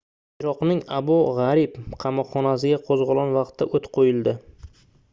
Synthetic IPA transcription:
ɪɾɒqnɪŋabʊʁɑɾɪpqʰɑmɒqχːɒnas̬ɪɡʲaqʰozʁʊlˠɒnvɑqt̪ʰːaʔot̪qʰojɪld̪ɪ

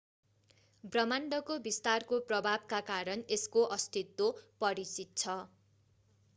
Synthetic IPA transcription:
brʌmaɳɖʌkobist̪arkoprʌbʱabkakaɾʌneskoʔʌst̪ʰit̪wopʌɾit͡sit̪̚t͡sʰʌ

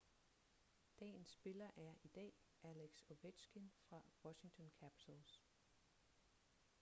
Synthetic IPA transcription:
d̥ɛ̰ːn̩sːb̥e̝lɐʔæɐid̥ɛ̰ː | ʔæleɡ̥so̝ʋed̥sɡ̥infʁɑ̈wɒɕi̝ŋt͡sʰɒ̽nkʰæpʰi̥t͡sʰəls

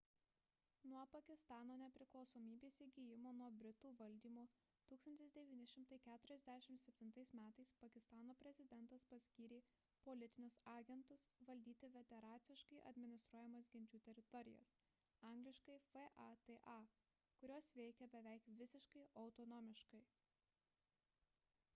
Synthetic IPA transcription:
nuɔpɐkʲɪst̪ɑːnoːnʲɛpʲɾʲɪklˠɒʊsoːmʲiːbʲeːsʲɪɡʲijɪmoːnuɔbʲɾʲɪt̪uːʋɐlʲd̪ʲiːmoː | t̪uːkst̪ɐnʲt̪ʲɪsd̪ʲɛʋʲiːnʲɪʃʲɪmt̪ɐɪkʲæːt̪ʊɾʲɛzʲd̪ʲæʃʲɪmsʲɛpʲt̪ʲɪnt̪ɐɪsmʲæːt̪ɐɪspɐkʲɪst̪ɑːnoːpʲɾʲɛzʲɪd̪ʲɛnˑt̪ɐspɐsʲkʲiːɾʲeː | pɔlʲɪt̪ʲɪnʲʊsɑːɡʲɛnt̪ʊsʋɐlʲd̪ʲiːt̪ʲɪʋʲɛt̪ʲɛɾɑːt̪sʲɪʃkɐɪʔɐ̰d̪ʲmʲɪnʲɪst̪ɾuɔjɛmɐsɡʲɪnʲt͡ʃʲuːt̪ʲɛɾʲɪt̪ɔɾʲɪ̰jɛ̰s | ɑˑŋɡlʲɪʃkɐɪfɛʔɑt̪eʔɑ | kʊɾʲoːsʋʲɛɪkʲɛbʲɛʋʲɛɪkʋʲɪsʲɪʃkɐɪʔɐʊt̪ɔnɔːmʲɪʃkɐɪ

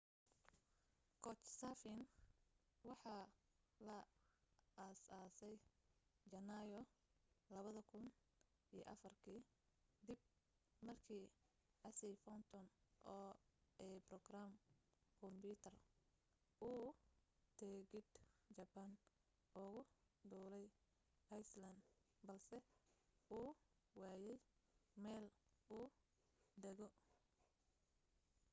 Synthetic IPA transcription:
kʰɔt͡ʃsafɪn | wɑħɑlɐ | ɐsaːsɛjd͡ʒɐnajɔlɐβɐðɐkʰʊn | ij̰ʔɐfɐrkʰiː | d̪ɪb̚ | mɐrkʰiː | ʔɐsɪfɔnt̪ʰɔnʔɔːɛbrɔɡramkʰɔmbut̪ʰɐr | uːt̪ʰɛɡɪd̪d͡ʒɐbɐn | ʔʊɣʊd̪uːlɛj | ʔɐjslɐnd̪bɐlsɛ | uː | waːjɛjmɛːluː | d̪ɛɣɔ

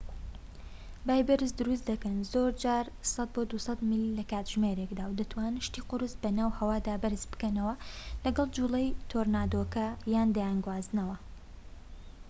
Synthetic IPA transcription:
baːjbɨɾɨsd̪ʊɾus̬d̪ɐkɐnzoːɾd͡ʒaːɾ | sˤɑd̪̚bod̪usɐt̪millɐkaːt̪ʒ̥meɾeːkd̪aːwd̪ɐt̪waːnʃt̪iːqʊɾɨsbɐnaːwhɐwaːd̪aːbɨɾɨzbɨ̥kɐnɐwɐlɐɡɐlˠd͡ʒuːlɐjt̪ʰoɾnaːd̪oːkɐjaːnd̪ajanɡwaːzɨnɐwɐ

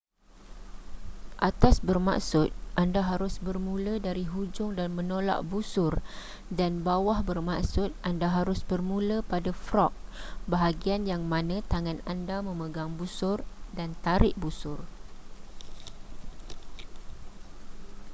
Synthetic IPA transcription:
ʔat̪asbərma̰ksʊt̪̚ʔandaɦaɾʊsbərmũlədaɾiɦud͡ʒʊŋdanmə̃nola̰ʔbusʊr | danbawahbərmaksʊt̪̚ʔandaɦaɾʊsbərmũləpadafɾɔk̚baɦaɡianjaŋmãnə̃t̪aŋanandamə̃məɡaŋbusʊrdant̪aɾɪʔ̚busʊr

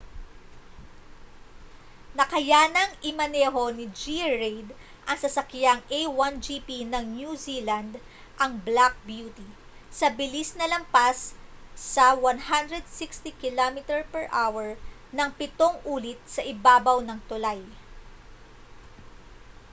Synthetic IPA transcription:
nɐkɐjaːnɐŋʔɪmɐnɛːɦo̞nɪd͡ʒiɹejd̪ | ʔɐŋsɐsɐkjaŋʔejwand͡ʒipinɐŋnjuziːlɐnd̪ | ʔɐŋblak̚bjuːt̪i | sɐbɪlisnɐlɐmpasː | ɐwɐnhand̪ɾɛd̪̚sɪkst̪ikɪlomɪt̪ɛɹpɛɹʔawɛɹ | nɐŋpɪt̪o̞ŋʔuːlɪt̪̚sɐʔɪbaːbɐwnɐŋt̪ʊlaj

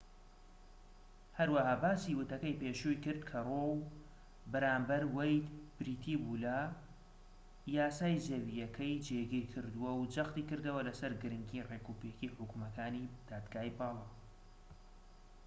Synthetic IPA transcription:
hɐɾwahaːbaːsiwɨt̪ɐkɐjpeːʃujkɨɾd̪kʰɐrow | bɐɾaːmbɐɾwɛjd̪b̥ɾiːt̪ʰibulɐ | jaːsaːjzɐwijɐkʰɐjd͡ʒeɡiɾkʰɨɾd̪uwɐwd͡ʒɐxt̪iːkɨɾd̪ɐwɐlɐsɐɾɡɨɾɨŋɡireːkuːpekiħʊkumɐkʰaːnid̪̥aːd̪ɡaːjbɑːlˠɑ

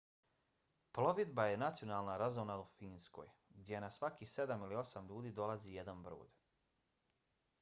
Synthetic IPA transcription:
plˠo̞ʋid̪bajenat̪sio̞naːlˠnaɾazonaufiːnsko̞̰jɡd̪ʲjenasʋakise̞d̪amilio̞samʎuːd̪iːd̪o̞lˠazije̞d̪anbɾo̰ːd̪

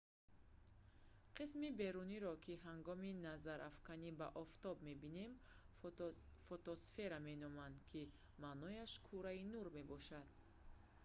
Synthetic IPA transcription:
qʰismibe̞ɾuniɾɔkʰiɦaŋɡɔminazaɾʔafkanibaʔɔft̪ɔbme̞bine̞m | fɔt̪ɔsfe̞ɾame̞nɔmand̪kʰi | manɔjaʃkʰuɾainuɾme̞bɔʃad̪̥

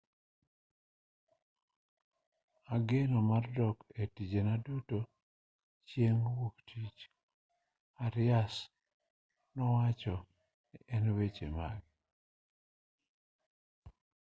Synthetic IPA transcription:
aɡenomardɔketid͡ʒenaduto | t͡ʃjeŋwoktʰit͡ʃ | aɾɪas | nɔwat͡ʃɔ | nɪʔɛnwet͡ʃemaɡi

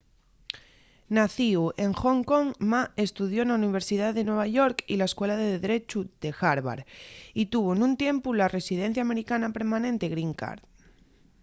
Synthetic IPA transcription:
naθiuʔe̞ŋxoŋko̞ŋmae̞st̪uð̞jo̞enauniβ̞e̞ɾsiðaððe̞nwe̞β̞aʝo̞ɾkilaeskwe̞laðeðeðɾe̞t͡ʃuð̥e̞xaɾβa̰ɾit̪uβoenũnt̪je̞mpulare̞sið̞e̞n̟θjame̞ɾikanape̞ɾmãnẽ̞nt̪e̞ɣɾiŋka̰ɾð

